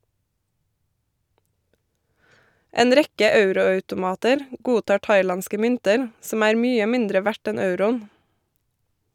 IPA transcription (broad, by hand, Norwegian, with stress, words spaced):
ˈeːn ˈɾɛkə ˈɑʉɾʊɑʉtʊˌmɑːtəɾ ˈɡuːˌtɑː ˈʈɑɪˌlɑnskə ˈmʏntəɾ ˈsɔm ˈæːɾ ˈmyːə ˈmɪndɾə ˈʋæʈ ˈɛn ˈɑʉɾʊn